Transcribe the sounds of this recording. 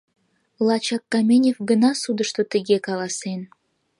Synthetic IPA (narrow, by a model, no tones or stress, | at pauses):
lˠɑt͡ɕɑkːɑmʲenʲefɡənɑsud̪əʃt̪ot̪əɡʲekɑlɑsen